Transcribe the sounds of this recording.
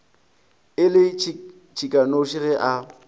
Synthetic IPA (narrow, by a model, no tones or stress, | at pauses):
ɪlɪ | t͡ʃʰikʼanoʃirɪʔa